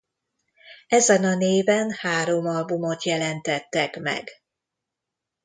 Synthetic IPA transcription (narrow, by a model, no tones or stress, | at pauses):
ɛzɛnɒneːvɛnhaːɾo̞mɒlbumo̞t̪jɛlɛnt̪ɛt̪ːɛkmɛ̰ɡ